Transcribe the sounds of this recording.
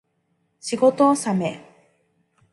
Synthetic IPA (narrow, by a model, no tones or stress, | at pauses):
ɕiɡo̞t̪oːsame